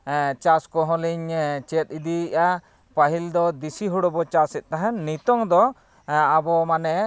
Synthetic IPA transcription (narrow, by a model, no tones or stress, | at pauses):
t͡ʃaskɔɦɔ̃liɲt͡ʃɛt̪̚ˀid̪iʔa | paɦild̪ɔd̪isiɦuɽɔbɔt͡ʃasɛt̪̚ˀt̪aɦanːit̪ɔŋd̪ɔ | abɔmanɛ